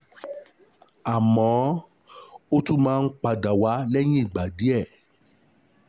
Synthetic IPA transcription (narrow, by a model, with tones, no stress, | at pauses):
a˨mɔ̃˨˦ | o˦tũ˦˨mãː˦˧n̩˦k͡pa˧da˨wa˨˦lɛ˦j̃ĩ˦i˦˨ɡ͡ba˨di˨˦ɛ˦˨